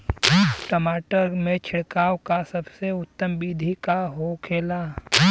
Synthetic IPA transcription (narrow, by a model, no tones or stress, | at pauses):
ʈəmaːʈəɾmẽt͡ʃʰɪɽkaːwkasɐbseʊt̪ːəmbiːd̪ʱikaɦokʰeːlaː